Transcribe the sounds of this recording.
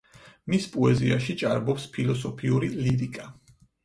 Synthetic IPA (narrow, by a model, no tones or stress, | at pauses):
mispʼɔɛziaʃit͡ʃʼaɾbɔpspʰilˠɔsɔpʰiuɾiliɾikʼa